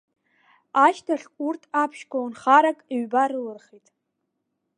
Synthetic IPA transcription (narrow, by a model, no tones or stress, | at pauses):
aʃtʰaɬurtʰapʰʃkʷʰaunχaɾakʼiɥbaɾɨlɨrχitʼ